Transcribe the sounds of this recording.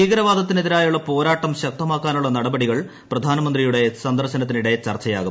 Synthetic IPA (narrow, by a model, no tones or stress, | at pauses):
iːɡɐɾɐʋaːd̪ʱɐt̪ːineðiɾaːjuɭːɐpo̞ːɾaːʈːɐmɕɐk̚t̪ɐmaːkːaːnuɭːɐnɐɽɐbɐɽiɣɐɭ | prɐd̪ʱaːnɐmɐnd̪rijuɽe̞sɐnd̪ɐrɕɐnɐt̪̬ːiniɽe̞t͡ɕɐrt͡ɕɐjaːɣum